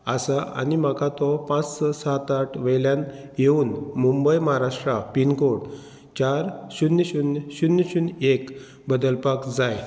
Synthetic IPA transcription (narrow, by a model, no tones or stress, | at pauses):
asaʔa̰nim̤akʰat̪ɔpãt͡ssɔsat̪aʈʰʋəjljan | jeuːnmumbəjməɦaɾaʂʈɾapinkoɽ | t͡ɕaɾɕunːəɕunɕunːəɕunek | bəd̪əlpakd͡zaj